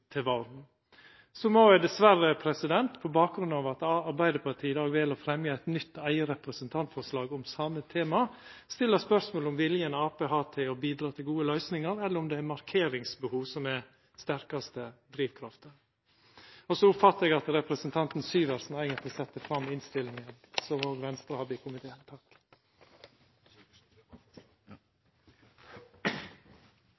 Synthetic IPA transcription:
t̪ʰɪlʋɑld̪n̩ | sɔmɔjæɪd̪ɛsʋærəpʰɾɛsɪd̪ɛnt̪pʰɔbɑːk̚ɡɾʉnɑːʋɑt̪ɑɾbæɪd̪əpʰɑt̪ʰiːd̪ɑːɡʋɛːlɔfɾɛmjəæɪt̪nʏt̪ːæɪəɾɛpɾəsənt̪ʰɑnt̪fɔɾʂlɑːɡɔmsɑmːət̪ʰeːmɑ | st̪ɪlːəspœɾsmoːlʊmʋɪljənəɑːpeːɦɑːt̪ʰɪɔbiːd̪ɾɑːt̪ʰɪlɡuːəlœʏsnɪŋəɾɛlːəɾʊmd̪ɛæɾmɑɾkʰeːɾɪŋsbəhuːʋsɔmɛ | st̪æɾkɑst̪əd̪ɾiːʋkʰɾɑft̪əɾ | ɔsɔʊpfɑt̪ːəɾɛɡɑt̪ɾɛpɾəsənt̪ʰɑnt̪n̩syːʋæɾsn̩æɪɡənt̪lɪsɛt̪ːəfɾɑmːɪnst̪ɪlːɪŋənsɔmhoːɡʋɛnst̪ɾəhɑd̪ːəɪkʰʊmɪt̪ʰeːt̪ʰɑk

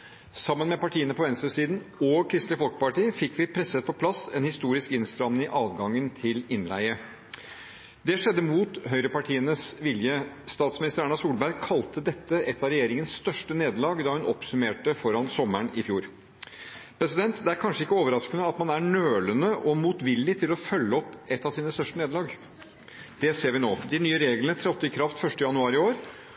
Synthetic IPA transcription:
sɑmːənmɛpɑʈʰiːənəpʰɔʋɛnst̪əsiːd̪nɔkʰɾɪst̪lɪfɔlkə̥pɑʈiːəfɪkːʋɪpʰɾɛsət̪̚pʰɔpʰlɑsɛnhɪst̪uːɾɪskɪnst̪ɾɑnnɪʔɑːʋɡɑŋːənt̪ʰɪlɪnlæ̰ɪə | d̪ɛʂɛd̪ːəmuːt̪ɦœʏɾəpɑʈʰiːənəsʋɪljəst̪ɑːt̪smɪnɪst̪əɾæɳːɑsuːlbæɾkʰɑlt̪əd̪ɛt̪ːəʔɛt̪ːɑɾɛjeːɾɪŋənsst̪œʂʈəneːd̪lɑːɡd̪ɑːhʉnɔpsʉmeːʈəfɔɾɑnsɔməɳɪfjuːɾ | pʰɾɛsɪd̪ɛnt̪d̪ɛæɾkʰɑnʂəɪkːəoːʋəɾɑskənəɑt̪mɑnæɳøːlənəʔɔmuːt̪ʋɪlːɪt̪ʰɪlɔfœlːəɔpːɛt̪ːɑsiːnəst̪œʂʈəneːd̪lɑːɡ | d̪̥ɛseːɾʋɪnoːd̪ɪnyːəɾeːɡlənət̪ʰɾɛɔt̪ːəɪkʰɾɑft̪fœʂʈəjɑnʉɑːɾɪoːɾ

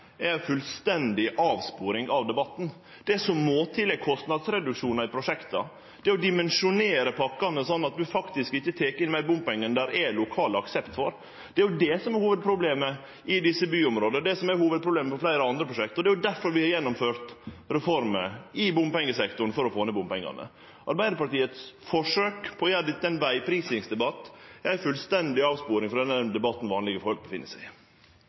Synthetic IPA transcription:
ɛɾfʉlst̪ɛnd̪ɪʔɑːʋspuːɾɪŋɑʋd̪ɛbɑt̪ːn̩ | d̪̥ɛsɔmːoːt̪ʰɪlːɛɡ̚kʰɔst̪nɑd̪sɾɛd̪ʉkʂuːnɑɪpʰɾʊʂɛkt̪ɑ̰ | d̪̥ɛɔd̪ɪmɛnʂʊneːɾəpʰɑkːɑnəsɔnːɑt̪̚d̪ʉfɑkt̪ɪskɪçːət̪ʰeːkəɪnmæɪbʊmpɛŋːənd̪æɾɛlʊkʰɑːləɑksɛpt̪fɔɾ | d̪̥ɛæɾjʊd̪ɛsɔmɛɾhuːʋəd̪̚pʰɾʊbleːmə | ɪd̪ɪsːəbyːʊmɾoːd̪əd̪ɛsɔmæɾhuːʋəd̪̚pʰɾʊbleːməpɔflæɪɾəɑnd̪ɾəpʰɾʊʂɛkt̪ɔd̪ɛæjʊd̪æɾfɔɾʋɪhɑɾjɛnːɔmføːɾt̪ɾɛfɔɾməɪbʊmpɛŋːəsɛkt̪ʊn̩fɔɾɔfoːnəbʊmpɛŋːɑ̰nə̰ | ʔɑɾbæɪd̪əɾpɑʈiːət̪sfɔʂøːkpʰɔjæd̪ɪt̪ːɛɪnʋæɪpʰɾiːsɪŋsd̪ɛbɑt̪ːæɪfʉlst̪ɛnd̪ɪɑːʋspuːɾɪŋfɔɾd̪ɛnəd̪ɛbɑt̪ːn̩ʋɑːnlɪɡəfɔɾhlk̚bəfɪ̰nːəsæɪ

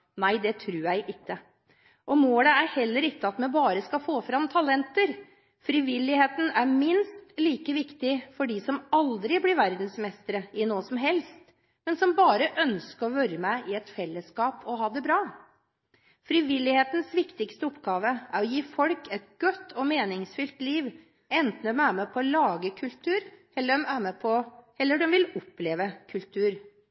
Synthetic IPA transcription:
næɪd̪ɛt̪ʰɾʉːɾjæɪʔɪkːə | ʔɔmoːləæɾhɛlːəɾɪkːəɑt̪mɛnbɑːɾəskɑfoːfɾɑmt̪ʰɑlɛnt̪əɾ | fɾɪʋɪlːɪheːt̪n̩æɾmɪnst̪liːkəʋɪkt̪ɪfɔɖiːsɔmɑld̪ɾɪblɪɾʋæɾd̪nsmɛst̪əɾəɪnoːsɔmɦɛlst̪ | mɛnsɔmbɑːɾəʔœnskəɾɔʋøːɾəmæɪʔɪɛt̪fɛlːəskɑːpʰɔɦɑːd̪ɛbɾɑː | fɾɪʋɪlːɪheːt̪n̩sʋɪkt̪ɪkst̪əɔpːɡɑːʋəʔæɾɔjiːfɔlkɛt̪̚ɡ̥œt̪ʰːɔmeːnɪŋsfʏlt̪liːʋ | ɛnt̪n̩d̪ɛmæːmɛpʰɔlɑːɡəkʰʉlt̪ʰʉːɾ | ɛlːəmæːmɛpʰɔɛlːəɖɛmʋɪlɔpleːʋəkʰʉlt̪ʰʉːɾ

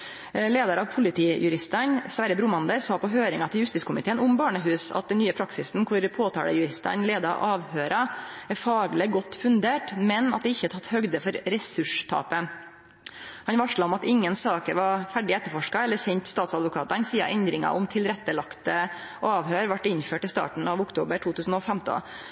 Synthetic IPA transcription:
leːd̪ɑɾɑʋpʰʊlɪt̪ʰiːjʉɾɪst̪ənsʋɑːɾəbɾʊmɑnd̪əɾsɑːpɔɦøːɾɪŋɑt̪ʰɪljʉst̪ɪskʊmɪt̪ʰeːənʊmbɑːɳəɦʉːsɑ̰t̪̚d̪ɛnnyːəpʰɾɑksɪsnkʰʊɾpʰoːt̪ʰɑ̰ːɽə̰jʉɾɪst̪ɑ̰nleːd̪ɑ̰ʔɑːʋhøːɾʔɑæɾfɑːɡlɪɡɔt̪ːfʉnd̪eːʈmɛnɑ̰t̪̚d̪ɛɪçːət̪ʰɑt̪ːhœɡd̪əfɔɾɾɛsʉʂt̪ʰɑ̰ːpə | hɑnʋɑʂlɑɔmɑt̪ɪŋːənsɑːkəɾʋɑɾfæɖɪɛt̪ːəɾfɔʂkɑɛlːəsɛnt̪st̪ɑːt̪sɑd̪ʋʊkʰɑːt̪ɑnsiːɑ̰ʔɛnd̪ɾɪŋɑ̰ʔɔmt̪ʰɪlɾɛt̪ːəlɑkt̪ə | ʔɑːʋɦøːɾʋɑʈːɪnføːʈɪst̪ɑ̰ːʈɳ̩ɑʋʊkt̪ʰoːbəʈʰuːt̪ʰʉːsn̩ɔfɛmt̪ə̰

